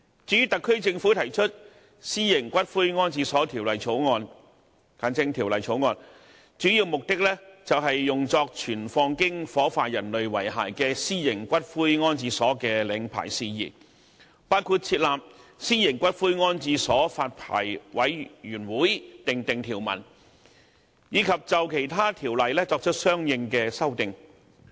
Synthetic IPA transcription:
t͡ʃyː˨˥y˥t̪ɐ˨kʰːɵ˥ɥt͡sɪ˧ŋfuː˨˥t̪ʰɐ˨˩jt͡ʃʰɵ˥t̚ | siː˥jɪ˨˩ŋkʷɐ˥t̚fuː˥jŋɔː˥nt͡siː˧sɔː˨˥t̪ʰiː˨˩wlɐ˨jt͡ʃʰo˨˥wŋɔː˧n | kaː˨˥nt͡sɪ˥ŋt̪ʰiː˨˩wlɐ˨jt͡ʃʰo˨˥wŋɔː˧n | t͡ʃyː˨˥jiː˧wmʊ˨k̚t̪ɪ˥k̚lɛ˥t͡sɐ˨wɦɐ˨jːʊ˨ŋt͡sɔː˧k̚t͡ʃʰyː˨˩nfɔː˧ŋkɪ˥ŋfɔː˨˥faː˧t̚jɐ˨˩nlɵ˨ɥwɐ˨˩jɦaː˨˩jkɛː˧siː˥jɪ˨˩ŋkʷɐ˥t̚fuː˥jŋɔː˥nt͡siː˧sɔː˨˥kɛː˧lɪ˨˧˥ŋpʰa̰ː˨˩jsiː˧jḭː˨˩ | paː˥wkʰu˧t̚t͡sʰiː˧t̚laː˨p̚siː˥jɪ˨˩ŋkʷɐ˥t̚fuː˥jŋɔː˥nt͡siː˧sɔː˨˥faː˧t̚pʰa̰ː˨˩jwɐ˨˥jjyː˨˩nwuː˨˥jt̪ɪ˨ŋt̪ɪ˨ŋt̪ʰiː˨˩wmɐ̰˨˩n | jiː˨˧kʰɐ˨p̚t͡sɐ˨wkʰe˨˩jt̪ʰaː˥t̪ʰiː˨˩wlɐ˨jlɛː˥t͡sɔː˧k̚t͡ʃʰɵ˥t̚sœː˥ŋjɪ˧ŋkɛː˧sɐ˥wt̪ɪ˨ŋ

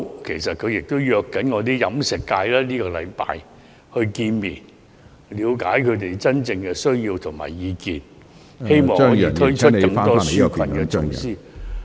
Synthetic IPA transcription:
kʰe˨˩jsɐ˨t̚kʰɵ˨˧ɥjɪ˨k̚t̪o˥wjœː˧kːɐ˨˥nŋɔː˨˧t̪̬iː˥jɐ˨˥msɪ˨˩kkːaː˧jlɛː˥niː˥kɔː˧lɐ̰˨˧jpa̰ː˨˧j | hɵ˧ɥkiː˧nmiː˨˩n | liː˨˧wkaː˨˥jkʰɵ˨˧ɥt̪e˨˩jt͡sɐ˥nt͡sɪ˧ŋkɛ˧sɵ˥ɥjiː˧wt̪ʰʊ˨˩ŋma̰ː˨˩jjiː˨˧kiː˨˧n | he˥jmɔː˨ŋɔ˨tʰt͡ʃʰɵ˥kɐ˧ŋ˥t̪ɔː˥si˥˨kʰɐ˨˩nkɛ˧tʊ˨˩ŋsiː˥

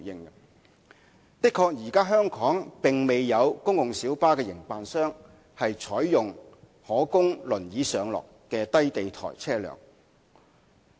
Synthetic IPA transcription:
jɪ˧ŋɐ˧ | t̪ɪ˥kʰːɔː˧k̚jiː˨˩kaː˥ɦœː˥ŋkʰɔː˨˥ŋpɪ˨ŋme˨jːɐ˨˧wkʊ˥ŋjʊ˨ŋsiː˨˥wpaː˥kɛː˧jɪ˨˩ŋpaː˨˧nsœː˥ŋ | hɐ˨jt͡sʰɔː˨˥jːʊ˨ŋ | hɔː˨˥kʊ˥ŋlɵ˨˩njiː˨˥sœː˨˧ŋlɔ̰ː˨kːɛː˧t̪ɐ˥jt̪e˨jt̪ʰɔ̰ː˨˩jt͡sʰɛː˥lœ̰ː˨˩ŋ

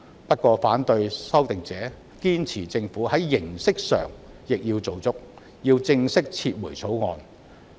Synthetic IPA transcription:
pɐ˥t̚kːɔː˧faː˨˥nt̪ɵ˧ɥsɐ˥wt̪ɪ˨ŋt͡sɛː˨˥ | kiː˥nt͡sʰiː˨˩t͡sɪ˧ŋfuː˨˥hɐ˨˥jːɪ˨˩ŋsɪ˥k̚sœ̰ː˨˩ŋ | jɪ˨k̚jiː˧wt͡so˨wt͡sʊ˥k̚ | jiː˧wt͡sɪ˧ŋsɪ˥k̚t͡sʰiː˧t̚muː˨˩jt͡sʰo˨˥wŋɔ̰ː˨˧n

